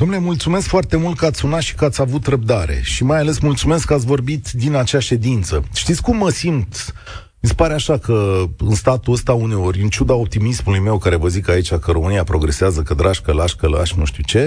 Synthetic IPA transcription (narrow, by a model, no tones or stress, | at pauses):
d̪omnulemult̪sume̞skfoart̪e̞mult̪̚kəat̪sʲunat̪ʃi̥kəat̪sʲavut̪rəb̚d̪aɾe̞̰ʃimajale̞smult̪sume̞skːəat̪sʲvo̞rbit̪d̪inat͡ʃaʃe̞d̪int̪səʃt̪it̪sʲkumːəsimt̪ | mispaɾeaʃakəɨnst̪at̪uəst̪aune̞o̞ɾʲɨnt͡ʃud̪ao̞p̚t̪imismulujme̞wkaɾe̞vəzikait͡ʃʲakəɾo̞mɨniapɾo̞ɡɾe̞seazəkəd̪ɾaʃkəlaʃkəla̰ʃnuʃt̪iwt͡ʃe̞